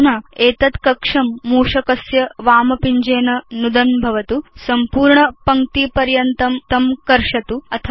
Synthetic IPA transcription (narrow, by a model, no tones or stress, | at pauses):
nɐeːt̪ɐt̪kɐkʂɐmːuːʂɐkɐsjɐʋaːmɐpiɲd͡ʒeːnɐnud̪ɐnbʱɐʋɐt̪usɐmpuːɾɳɐpɐŋt̪ipɐɾjɐnt̪ɐmt̪ɐmkɐɾʂɐt̪uɐt̪ʰɐ